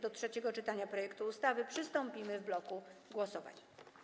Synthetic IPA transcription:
d̪ɔtʂɛt͡ɕɛɡɔt͡ʂɘt̪aɲapɾɔjɛkt̪uːst̪avɘpʂɘst̪ɔmpʲimɘvblɔkuɡwɔsɔva̰ɲ

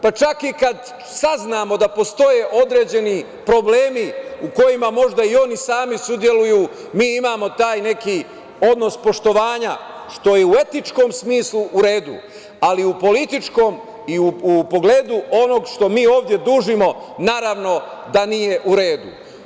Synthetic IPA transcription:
pat͡ʃakikad̪ | saznaːmo̞d̪apo̞st̪o̞jeʔo̞d̪ɾe̞ːd͡ʑe̞ni | pɾo̞ble̞ːmiuko̞jimamo̞ʒd̪aio̞nisaːmisud̪je̞lujuː | miːimaːmo̞t̪aːjne̞ki | o̞d̪no̞spo̞ʃt̪o̞ʋaːɲa | ʃt̪o̞jeue̞t̪it͡ʃko̞ːmsmiːsluʔuɾe̞ːd̪u | aliupo̞lit̪it͡ʃko̞ːm | iuupo̞ɡleːd̪uʔo̞no̞ɡʃt̪o̞miːo̞ːʋd̪je̞d̪uːʒimo̞naːɾaʋno̞ | d̪anije̞ʔuɾe̞ːd̪ṵ

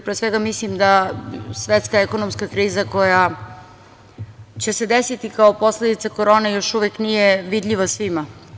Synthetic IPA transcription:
pɾesʋeɡamislimd̪asʋet̪skaeko̞nomskakɾiːzako̞ja | t͡ɕe̞se̞d̪esit̪ikaopo̞sled̪it̪sako̞ɾo̞ːnejo̞ʃuʋeknijeʋid̪ʎʲiʋasʋima

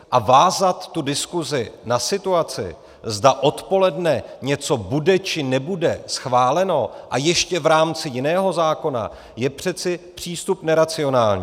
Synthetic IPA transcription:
ʔavaːzat̪ːudɪskuzɪnasɪt̪uat͡sɪ̰ | zdaʔo̞t̪po̞lɛdnɛɲɛt͡so̞budɛt͡ʃɪnɛbudɛsxvaːlɛno̞ʔajɛʃcɛvɾaːmt͡sɪjɪnɛːɦo̞zaːko̞na̰ | jɛpr̝̥ɛt͡sɪpr̝̥iːst̪upnɛɾat͡sɪo̞naːlɲiː

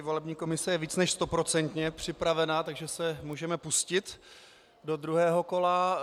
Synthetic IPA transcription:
vo̞lɛbɲiːko̞mɪsɛjɛviːt͡snɛʃst̪o̞pɾo̞t͡sɛnt̪ɲɛpr̝̥ɪpɾavɛnat̪aɡʒɛsɛmuːʒɛmɛpuscɪt̪ | do̞d̪ɾuɦɛːɦo̞ko̞la

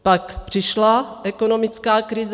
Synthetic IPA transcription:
pakpr̝̥ɪʃlaʔɛkono̞mɪt͡skaːkɾɪz

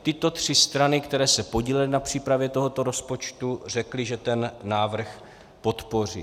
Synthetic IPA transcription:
t̪ɪt̪o̞t̪r̝̥ɪst̪ɾanɪkt̪ɛɾɛːsɛpo̞ɟiːlɛlɪnapr̥iːpɾavjɛt̪o̞ɦo̞t̪o̞ɾo̞spo̞t͡ʃt̪ur̝ɛklɪʒɛt̪ɛnːaːvr̩x | po̞t̪po̞r̝ḭː

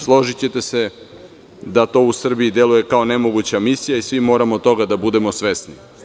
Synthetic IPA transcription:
slˠo̞ʒit͡ɕe̞t̪ese̞ | d̪at̪o̞ːusr̩biid̪e̞luje̞kao̞ne̞moɡut͡ɕamisijaisʋimo̞ːɾamot̪t̪o̞ɡad̪abud̪e̞mo̞sʋe̞sni

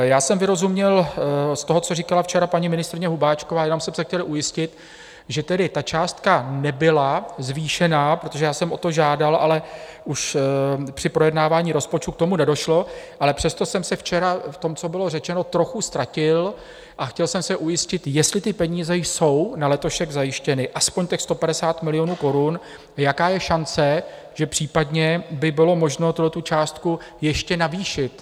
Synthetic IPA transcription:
jaːsɛmvɪɾo̞zumɲɛlst̪oɦo̞t͡so̞riːkalaft͡ʃɛɾapaɲimɪnɪst̪ɾɪɲɛɦubaːt͡ʃkovaːjɛno̞msɛmsɛxcɛlʔujɪscɪt̪ | ʒɛt̪ɛdɪt̪at͡ʃaːst̪kanɛbɪlazviːʃɛnapɾot̪o̞ʒɛjaːsɛmʔo̞t̪o̞ʒaːdalʔa̰lɛuʃpr̝̥ɪpɾo̞jɛdnaːvaːɲiːɾo̞spo̞t͡ʃt̪uk̚t̪o̞munɛdoʃlo̞ʔalɛpr̝̥ɛst̪o̞sɛmsɛft͡ʃɛɾaft̪o̞mt͡so̞bɪlo̞rɛt͡ʃɛno̞t̪ɾo̞xust̪ɾacɪl | ʔaxcɛlsɛmsɛʔujɪscɪt̪jɛst̪lɪt̪ɪpɛɲiːzɛjso̞wnalɛt̪o̞ʃɛɡzajɪʃcɛnɪʔaspoɲtɛxst̪o̞padɛsaːt̪mɪlɪjo̞nuːko̞ɾun | jakaːjɛʃant͡sɛ | ʒ̥ɛpr̥iːpadɲɛbɪbɪlo̞mo̞ʒno̞t̪ulɛt̪ut͡ʃaːst̪kujɛʃcɛnaviːʃɪt̪

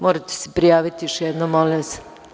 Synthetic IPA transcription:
moːɾat̪e̥se̥pɾijaːʋit̪ijoʃjɛd̪nomolise̥

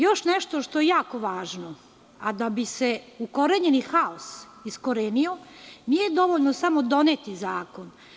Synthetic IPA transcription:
joʃneʃt̪oʃt̪ojejaːko̞ʋaːʒno | ad̪abiseuko̞ɾeɲenixaos | isko̞ɾeːnionijed̪o̞ʋoʎnosamod̪o̞net̪izaːkon

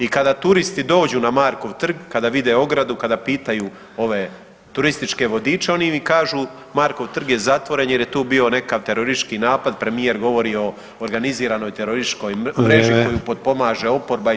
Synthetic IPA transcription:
ikad̪at̪uɾist̪id̪o̞ːd͡ʑunamaːɾko̞ʋt̪r̩ɡkad̪aʋid̪eo̞ɡɾad̪ukad̪apiːt̪ajuː | o̞ʋe̞ | t̪uɾist̪it͡ʃke̞ʋo̞d̪iːt͡ʃe̞o̞nimikaːʒu | maːɾko̞ʋt̪r̩ɡje̞zat̪ʋo̞ɾe̞njeɾjet̪uːbio̞ne̞kaʋt̪e̞ɾoɾisʃkinaːpad̪pɾe̞mije̞ɾɡo̞ʋo̞ɾio̞ː | ɾɡaniziːɾano̞jt̪e̞ɾoɾisʃko̞jmɾe̞ʒikojupod̪̚po̞maːʒe̞o̞po̞ɾba

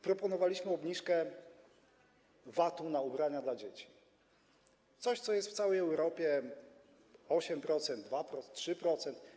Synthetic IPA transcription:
pɾɔpɔnɔvalʲiɕmɘɔbɲiʂkɛ | vat̪ũnaubɾaɲad̪lad͡ʑet͡ɕi̥ | t̪sɔɕt̪sɔjɛst̪ft̪sawɛjɛwɾɔpʲjɛ | ɔɕɛmpɾɔt̪sɛnd̪̚d̪vapɾɔtʂɘpɾɔt̪sɛnt̪

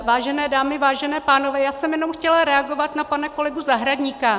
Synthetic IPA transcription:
vaːʒɛnɛːdaːmɪvaːʒɛnɛːpaːno̞vɛːjaːsɛmjɛnomxcɛlaɾɛaɡo̞vat̪napanɛko̞lɪbuzaɦɾaɟɲika

